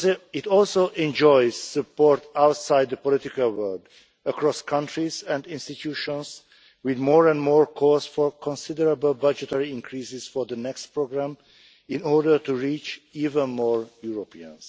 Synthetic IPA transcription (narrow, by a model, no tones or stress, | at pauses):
ɪtɔlˠsoʔɛ̃nd͡ʒɔɪz̥sɨpɔɹtaʊtsaɪd̪̚ðəpɔlɪtɪkəlˠwɜld | əkʰɹɔskʰʌ̃ntɹizæ̃ndɪ̃nstitʰjuːʃɔ̃nz | wɪðmɔɹɛ̃nmɔɹkʰɔzfɔɹkʰɔ̃nsɪdəɹəbəlbʌd͡ʒətɛɹiɪ̃nkʰɹisɪz̥fɔɹðənɛkstpʰɹoɡɹæ̃m | ɪ̃nɔɹdə˞tuɹit͡ʃivə̃nmɔɹjuɹopʰiə̰̃ns